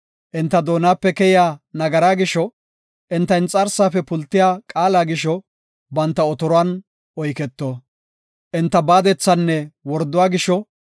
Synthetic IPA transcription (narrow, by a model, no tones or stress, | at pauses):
ʔɪnt̪ːɐd̪o̞ːnaːpːɛkɛjɪjaːnɐɡɐɾaːɡɪʃɔ | ʔɪnt̪ːɐjnt͡sʼɐɾsaːfɛpʊlt̪ːɪjaːkʼaːlaːɡɪʃɔ | bɐnt̪ːɐɔt̪ɔɾɔwaːn | ʔɔjkɛt̪ːoː | ʔɪnt̪ːɐbaːd̪ɛt͡sːɐnːɛwɔɾd̪ːʊwaːɡɪʃɔ